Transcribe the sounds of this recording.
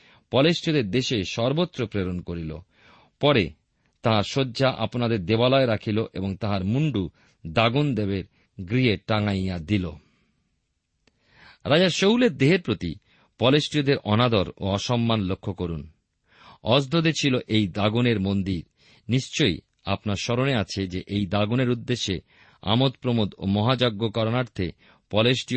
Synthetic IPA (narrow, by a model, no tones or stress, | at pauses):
pɔlesʈiod̪eɾd̪eʃeʃɔɾbot̪ːɾopɾeɾonkoɾilo̰ | pɔɾe | t̪aɦaɾʃodːd͡ʑaʔa̰ponad̪eɾd̪ebalɔeɾakʰiloʔeboŋt̪aɦaɾmuɳɖu | d̪aɡund̪ebeɾ | ɡɾieʈaŋajad̪ilo̰ | ɾad͡ʑaʃowleɾd̪eɦeɾpɾot̪ḭ | pɔlesʈiod̪eɾʔɔnad̪ɔɾo̰ɔʃɔmːanlokʰːokoɾun | ɔsd̪ʱod̪et͡ɕʰiloʔejd̪aɡuneɾmond̪iɾ | niʃt͡ɕoj | a̰pnaɾʃɔɾoneat͡ɕʰed͡ʑeʔejd̪aɡuneɾud̪ːeʃːe | a̰mot̪pɾomod̪o̰mɔɦad͡ʑoɡːokɔɾonaɾt̪ʰe | pɔlesʈio